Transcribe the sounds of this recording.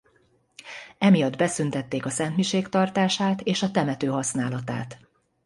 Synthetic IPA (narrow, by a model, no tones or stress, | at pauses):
ɛmijɒd̪bɛsynt̪ɛt̪ːeːkɒsɛnt̪miʃeːkt̪ɒrt̪aːʃaːt̪eːʃɒt̪ɛmɛt̪øːɦɒsnaːlɒt̪a̰ːt̪